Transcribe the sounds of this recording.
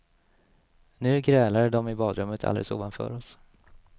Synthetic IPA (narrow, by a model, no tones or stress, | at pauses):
nʉ̟ːɡɾɛːlaɖɔmɪbɑːd̪ɾɵmːət̪ʰa̰ld̪ḛləsṵːvanfœ̰ːɾɔs